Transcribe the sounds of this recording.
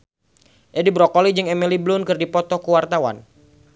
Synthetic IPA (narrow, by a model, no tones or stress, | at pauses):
ʔɛdibɾɔkɔlid͡ʒɨŋɛmiliblʊnkɨrdipɔt̪ɔkuwart̪awa̰n